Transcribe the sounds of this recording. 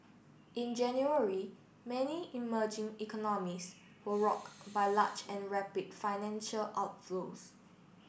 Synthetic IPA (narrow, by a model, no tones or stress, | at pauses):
ʔĩnd͡ʒɛ̃njuəɹi | mɛniiməd͡ʒɪ̃ŋikɔnɔmis | wəɹɔkbajlat͡ʃɛ̃nɹɛpidfaɪnɛ̃nʃəlʔaʊt̚flos